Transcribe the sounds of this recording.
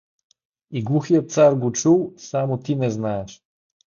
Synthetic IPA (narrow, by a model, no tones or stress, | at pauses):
iɡlˠuxijət̪̚t̪saɾɡot͡ʃulˠsamot̪inɛznaɛʃ